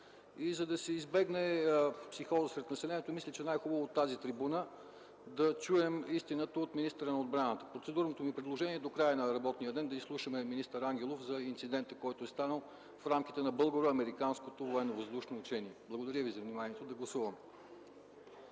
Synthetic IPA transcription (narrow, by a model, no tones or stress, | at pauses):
izɐd̪ɐsɛizbɛɡnɛpsixɔzəsɾɛt̪nɐsɛlɛniɛt̪omislʲit͡ʃɛnajxubəvoːt̪ːazit̪ɾibunə | d̪ɐt͡ʃuɛmist̪inət̪əot̪minist̪əɾənɐod̪̚bɾanət̪ə̥pɾot̪sɛd̪uɾnot̪omipɾɛd̪lˠoʒɛniɛd̪okɾajənɐɾɐbɔt̪nijəd̪ɛnd̪ɐislˠuʃəmɛminist̪əɾaŋɡʲɛlˠofzɐint̪sid̪ɛnt̪əkɔjt̪oɛst̪anəlˠ | fɾamk̟ʲit̪ɛnɐbɤlˠɡoɾoɐmɛɾikanskot̪ovoɛnovɐzd̪uʃnoːt͡ʃɛniɛblˠəɡod̪ɐɾʲjəvizɐvnimaniɛt̪od̪ɐɡlˠɐsuvɐmɛ